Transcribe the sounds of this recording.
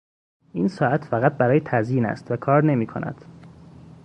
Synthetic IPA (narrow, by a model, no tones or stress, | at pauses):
ʔiːnsɒːæt̪ʰfæɣæt̪̚bæɾɒːjet̪ʰæzjiːnæ̰st̪vækʰɒːɾne̞miːkʰo̰nʔæ̰d̪̥